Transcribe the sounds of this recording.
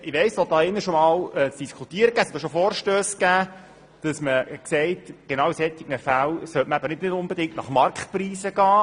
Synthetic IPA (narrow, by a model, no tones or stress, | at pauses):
ɪʋɛɪssɔd̥̪ɑːɪnːəʃomɑːlɛt͡sd̥iskʰut̪iːɾəɡ̥æːshɛt̪d̪oɔʃofɔːɾʃtøːsɡæː | d̥ɑsməksɛɪtɡ̥enɑwsɛt̪ːiɡnəfælsœtməæbəɾnɪdnɪdʊnbedɪŋk̚tnɑχmɑrkχtpriːsəɡɑː